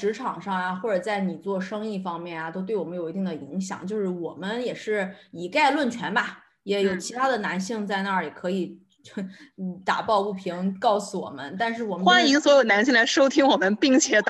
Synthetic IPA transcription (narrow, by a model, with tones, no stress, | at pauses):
ʂɻ̩˧˥ʈ͡ʂʰɑ˨˩ŋʂɑ˥˩ŋja˩xwɔ˥˩ʈ͡ʂɤ˨˩t͡sa˥˩ɪni˨˩t͡swɔ˥˧ʂɤ˥ŋi˥˩fɑ˥ŋmjɛ˥˩njɐ˩t̪o˥ʊt̪wɪwɔ˨˩mə˦njo˨˩ʊ˧t̪i˥˩ŋd̪ə˩i˧˥ŋɕjɑ̰˨˩˦ŋt͡ɕjo˥˧ʊʂɻ̩˥˩wɔ˨˩mə˦njɛ˨˩ʂɻ̩˥˩i˨˩ka˥˧ɪlwə˥˩nt͡ɕʰɥɛ˧˥nba˧ | jɛ˧˥jo˨˩ʊt͡ɕʰi˧˥t̪ʰa˥d̪ə˨na˧˥nɕi˥˧ŋt͡sa˥˧ɪna˥˩li˨˩kʰɤ˧˥i˨˩ | t̪a̰˨˩pɑ˥˧ʊpu˥˩pʰi˧˥ŋkɑ˥˩ʊsu˧wɔ̰˨˩mə̰˦nt̪a˥˧nʂ̬ɻ̩˥˩wɔ˨˩mə˦˥nxwa˥ni˧˥ŋswɔ˧˥jo˨˩ʊna˧˥nɕ̬i˥˩ŋla˧˥ɪʂo˥ʊt̪ʰi˥ŋwɔ˨˩mə˦npi˥˩ŋt͡ɕʰjɛ˧˥t̪